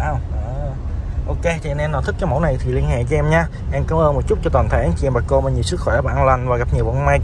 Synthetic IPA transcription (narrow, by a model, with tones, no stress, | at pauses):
ʔaː˧˩wʔəː˨˩ | ʔo˧ke˧t͡ɕʰi˨˧ne˧nːɔ˨˩t̪ʰɨ˦˥k̚t͡ɕɔ˧˦mo̰˧˥jna˨˩jt̪ʰi˨˩li˧ənhɛ̰˧˨kɨ˨˦ʔɛ˧mɲaː˧ | ʔɛ˧mkaː˨˦mʔəː˧nmo˨˩t̚t͡ɕʊ˦˥t̚t͡ɕɔ˧t̪waː˨˩nt̪ʰa˧˩ʔnt͡ɕi˧˨ʔɛ˧mbaː˨˩ko˧maː˨˩ɲi˨˩wsɨ˦˥k̚xɔ˧˩jʔa˦˩˧ʔa˧nla˨˩ŋ̟vaː˨˩ɣa˨˩p̚ɲi˨˩əwvɔ˧˨˧maː˧j